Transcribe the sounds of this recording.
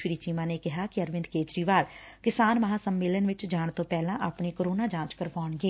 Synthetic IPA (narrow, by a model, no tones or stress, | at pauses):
ʃɾiːt͡ʃiːmãːneːkɪɦaːkɪəɾʋɪnd̪̚keːt͡ʃɾiːʋaːlkɪsaːnməɦãːsəmːeːlənʋɪt͡ʃd͡ʒaːɳt̪õːpɛːlãːʔapɳeːkəɾoːnaːd͡ʒãːt͡ʃkəɾʋɔːɳɡeː